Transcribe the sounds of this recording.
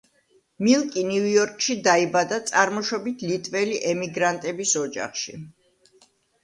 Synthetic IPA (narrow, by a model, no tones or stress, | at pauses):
milˠkʼiniujɔɾkʼʃid̪aibad̪at̪sʼaɾmɔʃɔbit̪ʰlit̪ʼvɛliʔɛmiɡɾant̪ʼɛbisɔd͡ʒa̰χʃḭ